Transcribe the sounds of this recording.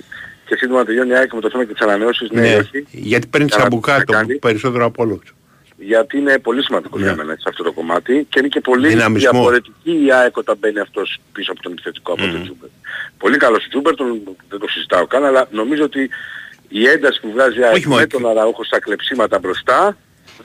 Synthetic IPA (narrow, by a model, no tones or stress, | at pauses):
ce̞sind̪omɐt̪eʝo̞niɐekomet̪oθe̞mɐcet̪i̥sɐnɐne̞o̞sizneeçiʝɐt̪i̥peɾnit̪ssɐbukɐt̪ɐnipeɾiso̞t̪eɾoɐpolo | ʝɐt̪iine̞po̞lisimɐnd̪iko̞ʝɐ̰me̞̰nɐ̰sɐft̪o̞t̪oko̞mɐt̪iceinece̞po̞liinɐmizðiɐoo̞ɾe̞t̪iciːɐekot̪ɐmbe̞niɐft̪o̞spisoɐpo̞t̪o̞nepi̥θe̞t̪i̥ko̞ɐpot̪od͡ʒubeɾpo̞likɐlo̞st̪od͡ʒubeɾt̪o̞nðed̪osizit̪ɐo̞kɐnɐlɐno̞mizo̞ot̪iː | e̞nd̪ɐsi̥puvɣɐziɐoçimot̪onɐnɐoxo̞st̪ɐkle̞psimɐt̪ɐbɾo̞st̪ɐ